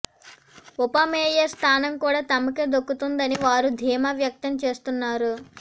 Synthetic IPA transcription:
upɐmeːjɐst̪ʰaːnɐmkuːɽaːt̪ɐmɐke̞ːd̪okːut̪und̪ɐniʋaːɾud̪ʱiːmaʋjɐk̚t̪ɐmt͡ʃe̞ːst̪unːaːɾu

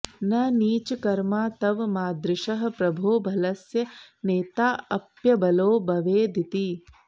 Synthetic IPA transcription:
nɐniːt͡ʃɐkɐɾmaːt̪ɐʋmaːd̪ɾɪʃɐɦɐ̆pɾɐbʱoːbʱɐlɐsjɐneːt̪aːɐpjɐbɐloːbɐʋeːd̪ʱit̪i

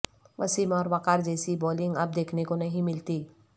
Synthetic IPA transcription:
ʋɐsimɔːɾʋaqaɾd͡ʒɛːsibɔːlɪ̃ŋɡɐb̚d̪eːkʰnekonɐɦĩmɪlt̪iː

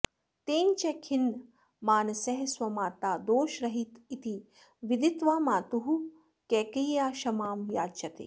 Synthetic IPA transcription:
t̪eːnt͡ʃekʰin | maːnɐsɐɦswɐmaːt̪aːd̪oːʃɾɐɦit̪it̪i | ʋid̪it̪ʋaːmaːt̪uɦu | kɛːkɐjjaːʃɐmaːmjaːt͡ʃɐt̪ḛː

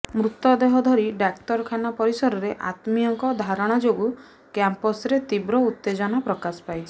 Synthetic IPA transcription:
mɾut̪ɔd̪eɦɔd̪ʱɔɾiɖakʈɔɾkʰanapɔɾisɔɾɔɾeʔa̰t̪miɔŋkɔd̪ʱaɾɔɽ̃ad͡ʒoɡu | kampɔsɾet̪ibɾɔut̪ːed͡ʒɔnɔpɾɔkasɔ̥pajt͡ʃʰi

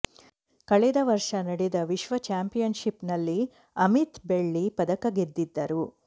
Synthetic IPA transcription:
kɐɭɛd̪ɐʋɐɾʂɐnɐɽɛd̪ɐʋiʃʋɐt͡ʃaːmpijɐnʃipnɐlːi | ɐmit̪beɭːipɐd̪ɐkɐɡed̪ːid̪ːɐɾu

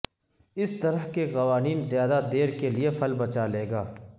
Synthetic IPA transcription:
ɪst̪ɐɾəɦkeqɐʋaːniːnzjaːd̪ad̪eːɾkeliefʰɐlbɐt͡ʃaleːɡaː

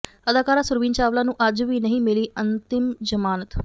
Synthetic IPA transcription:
əd̪aːkaːɾaːsʊɾʋĩːnt͡ʃaːʋlaːnũːʔəd͡ʒʋiːnəɦĩːmɪliːənt̪ɪmd͡ʒəmaːnət̪

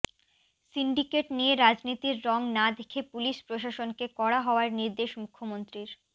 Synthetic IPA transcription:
siɳɖikeʈnijeɾad͡ʑnit̪iɾːɔŋnad̪ekʰepuliʃpɾoʃaʃonkekɔɽaɦɔoaɾniɾd̪eʃmukʰːomont̪ɾiɾ

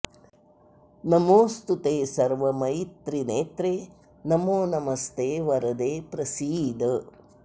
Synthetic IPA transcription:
nɐmoːst̪ut̪eːsɐɾʋɐmɐjit̪ɾineːt̪ɾeː | nɐmoːnɐmɐst̪ʰeːʋɐɾɐd̪eːpɾɐsiːd̪ɐ

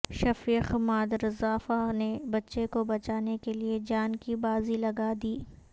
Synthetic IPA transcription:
ʃɐfɾiːxmaːd̪ɾzaːfanebɐtːʃekobɐt͡ʃaːnekelied͡ʒaːnkibaːzilɐɡad̪iː

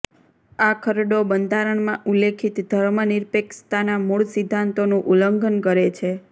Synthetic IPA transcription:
akʰəɾɖobənd̪ʱaɾəɳmãʔulekʰit̪d̪ʱəɾməniɾpekst̪anamuɭsid̪ʱːãnt̪onũʔuləŋɡʱənkəɾet͡ʃʰe

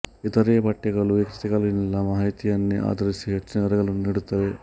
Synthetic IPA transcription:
it̪ɐɾeːpɐʈːɐɡɐɭuikɾit̪ɐkɐlinilːɐmaːɦit̪ijɐnːiʔa̰ːd̪ɐɾisiɦet͡ʃːɐnɐɐɾɐɡɐɭunːniɽut̪ːɐʋe

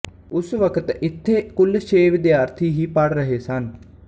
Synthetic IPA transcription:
ʊsʋəkət̪ɪt̪ʰːeːkʊlʃeːʋɪd̪jaːɾt̪ʰiːɦiːpəɽɾəɦeːsən

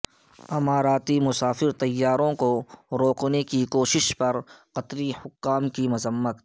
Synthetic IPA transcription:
ɐmaːɾaːt̪imʊsaːfɪɾt̪ɐjːaːɾõkoɾoːknekikoːʃɪʃpɐɾqɐt̪ɾihʊkːaːmkimʊzəmːət̪

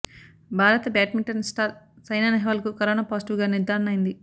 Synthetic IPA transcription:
bʱaːɾɐt̪ɐbjaːʈmiɳʈɐnsʈaːɾ | sɐjnaːnɐɦʋaːlɐkukɐɾoːnaːpaːsiʈuʋɡaːniɾd̪ʱaːɾɐnɐjind̪i

